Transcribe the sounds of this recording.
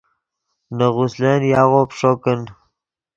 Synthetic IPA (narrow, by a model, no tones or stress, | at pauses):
nəɣusleːnjaːɣopʂokən